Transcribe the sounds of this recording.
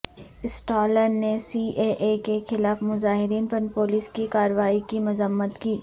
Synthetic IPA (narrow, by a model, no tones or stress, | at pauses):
ɪsʈaːləɾnesiːʔeːʔekexɪlaːfmʊzaːɦɪɾiːnpənpoːliːskikaːɾəʋaːikimʊzəmːət̪kiː